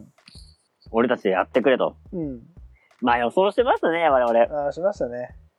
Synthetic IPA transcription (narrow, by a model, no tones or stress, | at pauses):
o̞ɾe̞t̪at͡ɕid̪eja̰t̪ːe̞kɯ̟ɾe̞t̪õ̞̰ | maːjoso̞ːɕit̪e̞maɕɨ̥t̪ane̞aɾe̞aɾe̞aːɕimaɕt̪ane